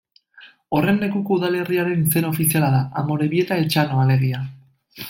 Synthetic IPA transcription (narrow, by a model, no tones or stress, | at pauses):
o̞re̞nːe̞kuko̞uðale̞riaɾe̞nise̞naofisialaðaʔamo̞ɾe̞βie̞t̪aet͡ʃanoale̞ɣia